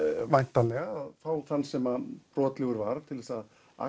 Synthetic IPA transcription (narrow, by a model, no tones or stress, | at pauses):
vajn̥t̪alɛɣaaðfaːwθanːsɛmapɾɔːt̪lɪɣʏɾvaɾt̪ʰɪlvɛsað | a̰